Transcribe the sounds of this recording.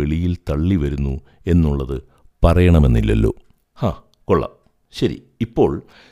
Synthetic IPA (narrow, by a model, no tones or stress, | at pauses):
eɭijilt̪ɐɭːiʋɐɾunːu | e̞nːuɭːɐðɨ | pɐrɐjɐɳɐme̞nːilːɐ̰lːo̞̰ː | haː | koɭːɐ̰ | ɕɐɾḭ | ipːo̞ːɭ